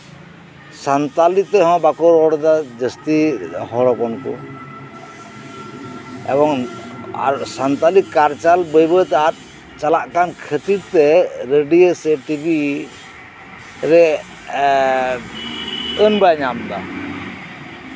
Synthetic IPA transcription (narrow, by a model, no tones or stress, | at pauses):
sant̪alit̪ɛɦɔ̃bakɔɾɔɽd̪ad͡ʒəst̪ihɔɾɔkɔnkɔ̰ | ɛ̰bɔŋa̰ɾsant̪alikaɾt͡ʃalbəjbət̪ɛat̪̚ | t͡ʃalaʔkankʰət̪iɾt̪ɛɾəɖieseʈibi | ɾɛ | ənbajɲamd̪a̰